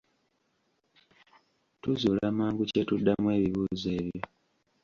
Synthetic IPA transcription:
tuzuːlamaːŋɡucetudːamwe̞ːβiβuːze̞ːβjo

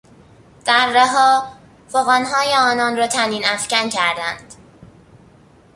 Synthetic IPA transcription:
d̪̥æɾːeɦɒː | foɣænɦɒːjeɒːnɒnrɒːt̪ʰæniːnæfcæncʰæɾd̪æ̰nd̪̥

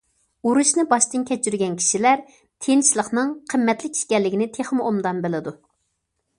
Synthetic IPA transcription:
uɾuʃnɨbɑʃt̪ɨnkʲʰɛt͡ʃʰyɾɡʲɛnkʲʰi̥ʃilæɾ | t̪ʰent͡ʃlˠəχnɨŋqʰəmːɛt̪lɪkʲi̥ʃkʲɛlːɪkʲinɪt̪ʰeχmʔomd̪ɑnbɪlɪd̪u

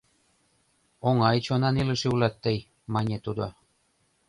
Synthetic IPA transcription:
oŋɑjt͡ɕonɑnilə̆ʃiulɑt̪ːəj | mɑnʲet̪ud̪o

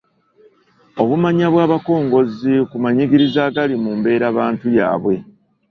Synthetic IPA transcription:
o̞βumaɲaβwaːβako̞ːŋɡo̞zikumaɲiɡiɾizaːɡalimumbe̞ːɾaːβaːntuja̰ːβwe̞

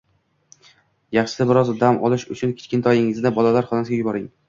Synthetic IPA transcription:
jɑχʃɪ̥abɪɾɒzd̪amʔɒ̰lˠɪʃʊt͡ʃʰʊnkʲʰɪ̥t͡ʃʲkʲɪnt̪ʰɒjɪŋɪzd̪abɒlalaɾχɒnasɪɡʲajʊbɒɾɪŋ

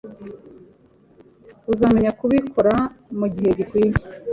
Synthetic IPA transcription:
uzaːmeɲakuβikʰoɾamuɟihe̞ɟikwiːji

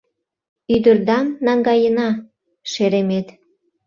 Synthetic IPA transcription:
yd̪ə̆rd̪ɑmnɑŋɡɑjənɑ | ʃeɾemet̪

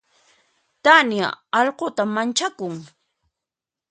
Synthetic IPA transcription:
t̪anja̰ɑʎqot̪amːant͡ʃakʊŋ

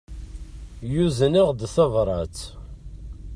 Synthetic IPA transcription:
juzəniʁd̪θɑvɾˤɑt͡s

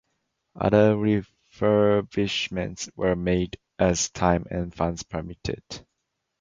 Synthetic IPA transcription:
ʔʌ̰ðəɹi | vəbɪʃmə̃ntswə˞meɪd | ʔæztʰãɪ̃mɛ̰̃nfãnspʰəmitʰɪ̰d̥

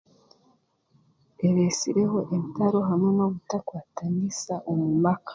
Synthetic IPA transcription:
eɾesiɾe̞ho̞ʔemtaɾo̞ɦameno̞βutakwaːtanisaʔomumakḁ

